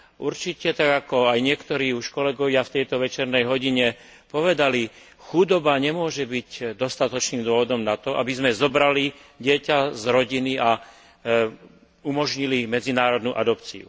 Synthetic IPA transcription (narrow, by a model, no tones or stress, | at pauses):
ʔuɾt͡ʃicɛt̪aɡakɔajɲɪɛkt̪ɔɾiːuʃkɔlɛɡɔʋɪaft̪ɛjt̪ɔʋɛt͡ʃɛɾnɛjɦɔɟiɲɛ | pɔʋɛd̪ali | xud̪ɔbaɲɛmʊɔʒɛbiɟd̪ɔst̪at̪ɔt͡ʃniːmd̪ʊɔʋɔd̪ɔmnat̪ɔʔa̰bizmɛzɔbɾaliɟɪɛcazɾɔɟinia | umɔʒɲilimɛd͡zinaːɾɔd̪nuʔad̪ɔpt͡sḭṵ